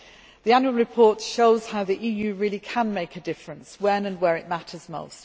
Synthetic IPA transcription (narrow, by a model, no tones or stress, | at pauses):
ðiãnjuəlˠɹɪpʰɔˑtʃoʊz̥haʊðiʔiːjʉːɹɪəlikʰə̃nmeɪkʰədɪfɹə̃nswə̃nə̃nwəɹɪʔmatʰəzmo̰ʊst